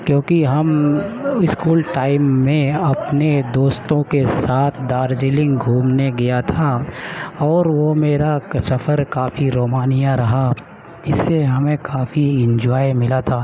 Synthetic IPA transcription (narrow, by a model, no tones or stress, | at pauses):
kjõːkiɦɐm | ɪskuːlʈaːɪmːẽɐpned̪oːst̪õkesaːt̪ʰd̪aːɾd͡ʒɪlɪ̃ŋɡɡʱuːmneɡɐjat̪ʰa | ɔːɾʋomeːɾasɐfʰəɾkaːfiɾoːmaːnijaɾɐɦa | d͡ʒɪsːeɦɐmẽkaːfiɪ̃ɲd͡ʒɔːjmɪlat̪ʰaː